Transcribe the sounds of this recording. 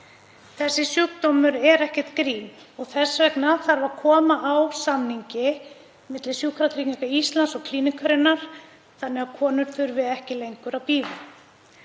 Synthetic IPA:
θɛsːɪsjukt̪ɔmʏɾɛɾɛhcɛt̪kɾiːm | ɔɣθɛsvɛknaθaɾvaɾkʰɔːmaʔawsamniɲcɪ | mɪt̪lɪsjukʰɾak̪ʰɾicnikaist̪lansɔkʰliːnɪkʰaɾɪnːaɾ̥ | θanːɛɣḁkʰɔːnʏɾ̥θʏɾvɪðɛhcɪlejŋkʏɾawpiːvʏ

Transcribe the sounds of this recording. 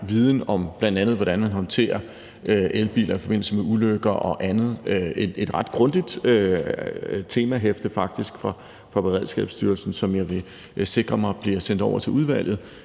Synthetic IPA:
ʋiːð̞ˠn̩ɒ̽mb̥lænd̥ænð̩ˠʋɒɾ̥ænmænɦɒ̽nt͡sʰe̝̰ːɐ | øʔelb̥ḭːlʔɐifɒ̽be̝n̰l̩səmeuløɡ̥ɐʔɒ̽ʔænð̞̩ˠøee̝d̥ʁɑ̈d̥ɡ̥ʁɔ̽nd̥id̥ø | t͡sʰe̝ːmæɦefd̥əfɑ̈ɡ̥̚d̥isɡ̥fʁɑ̈ | fʁɑ̈b̥e̝ʁɛð̞̰ˠsɡ̥ɛ̰ːb̥sd̥yːɐlsn̩sɒ̽mjɑ̈ɪʋe̝ | se̝ɡ̥ʁɐmɑ̈ɪb̥liɐsen̰d̥ɒʊɐt͡sʰe̝luð̞ˠʋæl̰jð̩ˠ

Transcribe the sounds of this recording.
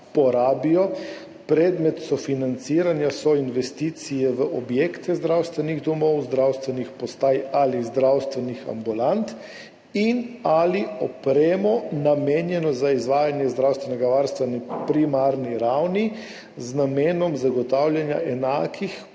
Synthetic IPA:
pɔɾaːbijɔ | pɾɛd̪mɛt̪sɔfinant̪siɾanjasɔinʋɛst̪iːt̪sijɛʋəʔɔbjeːkt̪ɛzd̪ɾawst̪ʋɛniɣd̪ɔmɔwzd̪ɾawst̪ʋɛnixpɔst̪aːjalizd̪ɾawst̪ʋɛnixa̰mbulant̪ | inaliɔpɾeːmɔnamenjɛnɔzaizʋaːjanjɛzd̪ɾawst̪ʋɛnɛɡaʋaɾst̪ʋɛnipɾimaɾniɾawni | znameːnɔmzaɡɔt̪awljanja̰ʔɛnaːkʰix

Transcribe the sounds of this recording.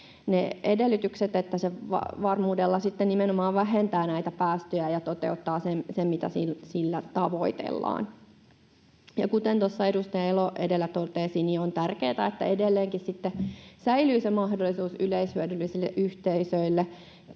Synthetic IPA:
needelːyt̪ykset̪et̪ːæseʋɑ̰ʋɑrmuːdelːɑsit̪ːennimenomɑːʋʋæɦent̪æːnæit̪æpæːst̪øjæjɑt̪ot̪ḛut̪ːɑːsensemmit̪æ̰silsilːæt̪ɑʋoit̪ḛlːɑ̰ːn | jɑkut̪ent̪osːɑedust̪ɑjɑeloʔedelːæt̪ot̪eːsiːniont̪ærkeːt̪æet̪ːæ̰edelːeːŋkissit̪ːesæilyːsemɑhdolːisuːsyleishyødylːisilːeʔyht̪eisøilːe

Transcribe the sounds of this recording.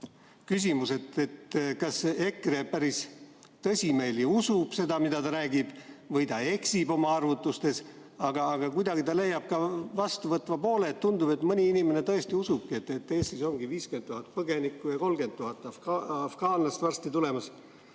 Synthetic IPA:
kys̬ʲimuse̞t̪ːe̞t̪kɑse̞kːˑrepæɾis | t̪ɤsʲime̞ːliusub̥se̞d̪̥ɑmid̪ɑt̪ɑɾæːɡib̥vɤjt̪ɑe̞ksibo̞mɑɑrvut̪ːˑust̪e̞s | ɑɡ̥ɑːɡ̥ɑkujd̪̥ɑɡ̥it̪ɑlejːɑb̥̚kɑvɑst̪uvɤt̪ːˑvɑpo̞ːle̞t̪ːund̪ub̥e̞t̪ˑmɤnʲiinime̞ne̞t̪ɤ̞e̞st̪iusub̥̚kie̞t̪ːˑe̞t̪ːe̞ːst̪iso̞ŋɡ̥iviːskyenːuhɑt̪̚pɤɡe̞nikːˑujɑko̞lɡe̞nd̪̚t̪ːuɦɑt̪ːˑɑɑfɡ̥ɑːnlɑst̪vɑrst̪it̪ule̞mɑs

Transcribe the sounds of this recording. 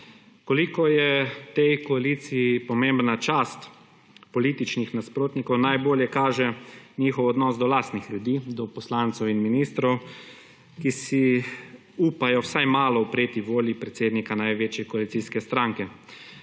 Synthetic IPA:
kɔlikɔjɛt̪ɛjkɔalit̪sijipɔmembnat͡ʃaːst̪ | pɔliːt̪it͡ʃnixnaspɾoːt̪nikɔwnajboːljɛkaːʒɛniːxɔwɔd̪nɔːzd̪ɔlaːst̪nixlʲjud̪iːd̪ɔpɔslaːnt̪sɔwinminiːst̪ɾɔw | kisi | uːpajɔwsajmaːlɔwpɾeːt̪iʋoːljipɾɛt̪seːd̪nikanajʋeːt͡ʃjɛkɔalit̪siːskɛst̪ɾãŋkɛ

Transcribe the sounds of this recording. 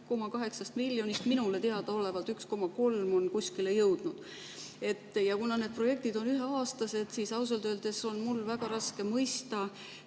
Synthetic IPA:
ko̞mɑkɑɦe̞ksɑst̪milʲːjo̞nist̪minule̞t̪eɑd̪̥ɑo̞le̞vɑlt̪yksko̞mɑko̞lmo̞nkusʲkilejɤwd̪̥nud̪̥ | e̞t̪ːˑjɑkunɑne̞d̪̥̚pro̞je̞k̚t̪id̪o̞nyɦe̞ɑːst̪ɑse̞d̪̥sisɑws̬ɑlt̪øːld̪̥e̞so̞nmulːvæɡ̥ɑɾɑske̞mɤjst̪ɑ

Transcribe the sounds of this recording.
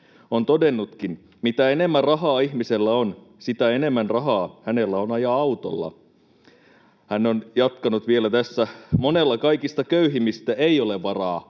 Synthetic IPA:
ont̪odenːut̪kin | mit̪æenemːærɑɦɑːihmiselːæon | sit̪æenemːænrɑɦɑːhænelːæonɑjɑɑut̪o̰lːɑ̰ | hænːonjɑt̪kɑnut̪ʋielæt̪æsːæmonelːɑkɑikist̪ɑkøyɦimist̪æʔeioleʋʋɑrɑː

